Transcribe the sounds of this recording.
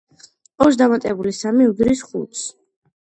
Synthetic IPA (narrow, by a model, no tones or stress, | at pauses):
ɔʃ̬d̪amat̪ʼɛbulisamiud̪ɾisχṵt̪s